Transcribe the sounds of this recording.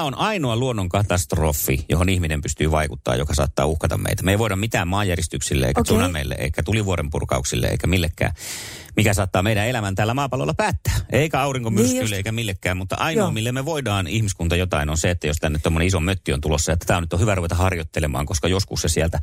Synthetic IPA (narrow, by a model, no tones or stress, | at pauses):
onɑinoɑluonːoŋkɑt̪ɑst̪rofːijo̰honihminempyst̪yːʋɑikut̪ːɑ̰ːjo̰kɑsɑ̰ːt̪ːɑ̰ːuhkɑt̪ɑ̰mmḛˑit̪æmeˑiʋoˑidɑmit̪æːmmɑːjærjist̪yksilːḛʔḛikæt̪unɑmeilːḛʔḛikːæt̪uliʋuoɾempṵrkɑ̰uksḭlːḛḛikæmilːekːæ̰ː | mikæsɑːt̪ːɑːmeiɾæelæmænt̪æːlːæmɑːpɑlo̰lːɑpæːt̪ːæːʔeikæɑuriŋkomyrskylːeeˑikæmilːekːæːmmut̪ːɑ̰ʔɑinoɑmilːemmeʋoidɑːnihmiskunt̪ɑjot̪ɑinonseet̪ːæjost̪ænːet̪t̪omːoneisomøt̪ːio̰nt̪ulosːɑjɑt̪ːæ̥t̪æˑonyt̪ːohyʋæruʋet̪ɑhɑrjot̪ːelemɑ̰ːŋkoskɑjoskussesiælt̪æ